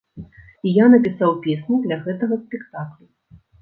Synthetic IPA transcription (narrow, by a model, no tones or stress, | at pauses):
ijanɐpʲisawpʲesʲnʲid̪lʲɐɣɛt̪ɐɣɐspʲɛkt̪aklʲu